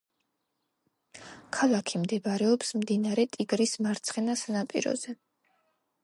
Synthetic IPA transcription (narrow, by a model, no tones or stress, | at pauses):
kʰalˠakʰimd̪ɛbaɾɛɔpsmd̪inaɾɛt̪ʼiɡɾismaɾt̪sʰχɛnasanapʼḭɾɔ̰zɛ